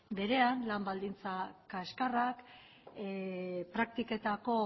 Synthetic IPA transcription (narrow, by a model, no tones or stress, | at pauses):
be̞ɾe̞anlambald̪int͡sakaeskarak | pɾak̚t̪ike̞t̪ako̞